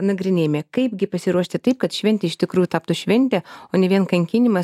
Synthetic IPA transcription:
nɐɡɾʲɪnʲeːjmʲɛːkɐɪpɡʲɪpɐsʲɪɾuɔʃʲt̪ʲɪt̪ɐɪpkɐt̪ʃʲʋʲɛnʲt̪ʲɛɪʃt̪ʲɪkɾuːjut̪ɑːp̚t̪uʃʲʋʲɛnʲt̪ʲɛoːnʲɛʋʲiɛnkɐŋʲkʲɪnʲɪmɐ

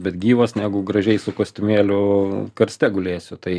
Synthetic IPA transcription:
bʲɛt̪ɡʲiːʋosnʲæːɡʊɡɾɐʒʲɛɪsʊkoːsʲt̪ʲʊmʲeːlʲʊkɐɾʲsʲt̪ʲɛɡʊlʲeːsʲʊt̪ɐɪ

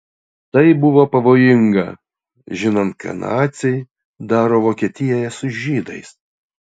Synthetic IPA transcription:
t̪ɐɪbʊʋoːpɐʋoːjɪŋɡɐ̰ | ʒʲɪnɐnt̪̚kʰɐ̰nɑ̰ːt̪sʲɛɪ | d̪ɑːɾoːʋoːkʲɛt̪ʲɪjɛjɛsʊʒʲiːd̪ɐɪs

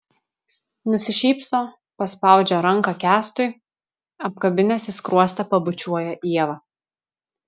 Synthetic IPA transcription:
nʊsʲɪʃʲiːpsoː | pɐspɑˑʊd͡ʒʲoːɾɐŋˑkɑkʲæːst̪ʊɪ | ɐp̚kɐbʲɪnʲɛsʲɪskɾuɔsʲt̪ʲɛpɐbʊt͡ʃʲuɔjɛʔiɛʋɐ

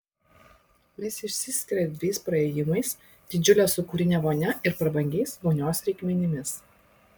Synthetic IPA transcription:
mʲɛsɪʃʲsʲɪsʲkʲɪɾʲɛd̪ʲʋʲɛɪspɾɐɛːjɪmɐɪs | d̪̥ʲɪd͡ʒʲʊlʲeːsʊkuːɾʲɪnʲɛʋoːnʲɛɪɾpɾɐbɐŋʲɡʲɛɪsʋoːnʲoːsɾʲɛɪkʲmʲɛnʲɪmʲɪs

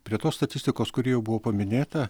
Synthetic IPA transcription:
pʲɾʲiɛt̪oːst̪ɐt̪ʲɪsʲt̪ʲɪkoːskʊɾʲiːjɛʊbʊʋoːpɐmʲɪnʲeːt̪ɐ

